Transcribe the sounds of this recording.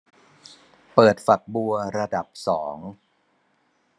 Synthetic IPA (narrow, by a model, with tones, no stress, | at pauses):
pɤː˨˩t̪̚fa˨˩k̚bu˧ɐɾa˧da˨˩p̚sɔː˩˦ŋ